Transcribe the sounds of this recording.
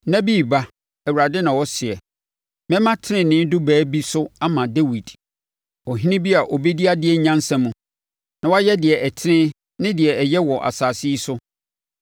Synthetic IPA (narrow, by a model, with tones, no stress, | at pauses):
nã˦bi˦˨ba˦ | ɛ˨wu˨ɾa˨dɪ˦nã˨wɔ˦sɪ˨ɛ˨ | mɛ̃˦mã˦tʰɪ˦nɪ̃˨nɪ̃˦n˦dʊ˦bæː˨˦bi˦sʊ˦a˦mã˨dɛ˦wi˨d | ɔ˨ɦĩ˦nɪ̃˦bi˦a˨ʔɔ˨be˦di˦a˦dɪ˦ɛ˨ɲ̩˦ɲã˦n˦sã˦mũ˨ | nã˨wɔ˦a˦jɛ˦dɪ˨ɛ˨ʔɛ˨tʰɪ˦nɪ̃˦ | nɪ̃˦dɪ˨ɛ˨ɛ˨jɛ˦wɔ˨ʔa̰˨saː˨si˦sʊ˦